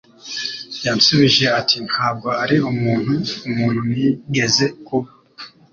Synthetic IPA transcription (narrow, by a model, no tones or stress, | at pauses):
jansuβiʒe̞atʰin̥haːb̚ɡo̞aɾiumuːn̥huumuːn̥humiɡe̞ze̞kuβa